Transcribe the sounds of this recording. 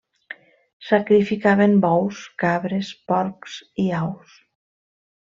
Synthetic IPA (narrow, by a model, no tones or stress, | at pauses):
sakɾifikaβembɔwskaβɾespɔɾksiaws